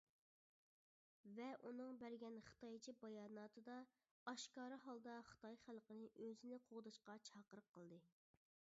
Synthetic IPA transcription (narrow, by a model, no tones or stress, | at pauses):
vɛʔunɨŋbæɾɡʲɛnχə̥t̪ɑjt͡ʃʰibɑjɑːnɑːt̪ʰɨd̪ɑ | ɑʃkɑːɾɨɦɑlˠd̪ɑχə̥t̪ʰɑjχælˠqənɨʔøzɪnɪqʰoʁd̪ɨʃqɑt͡ʃʰɑqəɾəqʰːəlˠd̪ɨ